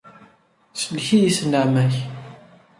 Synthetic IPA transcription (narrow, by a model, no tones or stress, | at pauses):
səlçijisnaʕmæç